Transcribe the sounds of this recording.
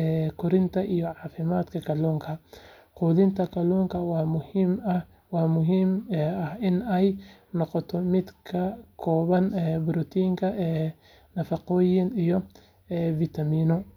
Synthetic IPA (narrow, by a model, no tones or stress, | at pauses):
ɛːkʰʊɾɪnt̪ʰɐʔijɔʕɑːfɪmaːd̪kʰɐkʰɐluːŋkʰɐ | qʊːðɪnt̪ʰɐkʰɐluːŋkʰɐ | wɑːmʊɦiːmɐhɪnɛjnɔqɔt̪ʰɔmɪd̪kʰɐkʰɔːβɐnɛbʊɾɔt̪ʰiːŋkʰɐɛː | nɐfɑqɔːjɪnijɔ | ɛːvit̪ʰɐmiːnɔ